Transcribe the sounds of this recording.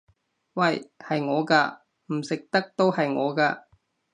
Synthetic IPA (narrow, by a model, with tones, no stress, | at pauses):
wɐ˨jhɐ˨jŋɔː˨˧kaː˧ | m̩˨˩sɪ˨k̚t̪ɐ˥k̚t̪o˥whɐ˨jŋɔː˨˧kaː˧